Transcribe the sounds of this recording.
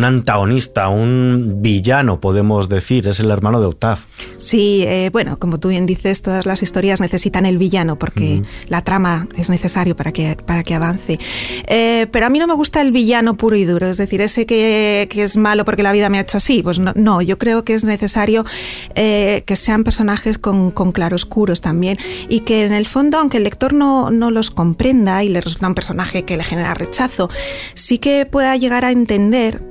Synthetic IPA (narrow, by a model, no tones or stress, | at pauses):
nãnt̪aɣo̞nist̪aumbiʝanopo̞ðe̞mo̞zðe̞θiɾe̞se̞le̞ɾmãnoðeowt̪af | sieβwe̞no̞̰ko̞mo̞t̪uβje̞nd̪iθe̞st̪o̞ðazlasist̪o̞ɾjazne̞θe̞sit̪ane̞lβiʝanopo̞ɾke̞lat̪ɾamae̞zne̞θe̞saɾjo̞paɾakepaɾakeaβ̞an̟θe̞epe̞ɾoamĩno̞me̞ɣ̞ust̪ae̞lβiʝano̞puɾoið̞uɾo̞e̞zðeθiɾe̞se̞kekeezmalo̞po̞ɾke̞laβiðameaet͡ʃoasipwe̞znono̞ʝo̞kɾe̞okeezne̞θe̞saɾjo̞ | eke̞se̞ampe̞ɾso̞naxe̞sko̞ŋko̞ŋklaɾoskuɾo̞st̪ambje̞nike̞ne̞lfo̞nd̪oawŋkelːe̞k̚t̪o̞ɾno̞no̞lo̞sko̞mpɾe̞nd̪aile̞result̪aumpe̞ɾso̞naxe̞ke̞le̞xene̞ɾa̰re̞t͡ʃaθo̞ | sike̞pweðaʝe̞ɣ̞aɾaent̪e̞nd̪e̞ɾ